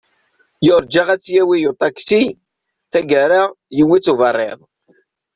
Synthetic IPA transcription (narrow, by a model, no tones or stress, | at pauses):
jʊɾˤd͡ʒaʁæt͡sːjæwijut̪ˤɑksi | θæɡæɾaʁ | jəwːit͡sːuvɑrˤːḛðˤ